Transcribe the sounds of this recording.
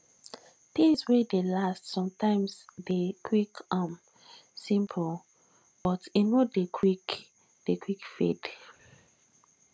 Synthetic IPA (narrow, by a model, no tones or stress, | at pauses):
t̪ĩŋswedelastsɔ̃mtãɪ̃msdekʰwikãm | sĩmpʰəl | b̥ɔtĩnodekʰwik | d̥ekʰwikfḭd